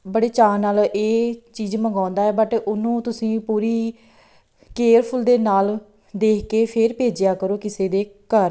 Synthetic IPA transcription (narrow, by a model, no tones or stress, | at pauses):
bəɽeːt͡ʃaːnaːleːt͡ʃiːd͡ʒməŋɡãːnd̪aːɛːbəʈʊnũːt̪ʊsĩːpuːɾiː | keːɾpʰʊld̪eːnaːl | d̪eːkʰkeːpʰɪɾpeːd͡ʒɪjaːkəɾoːkɪseːd̪eːkəɾ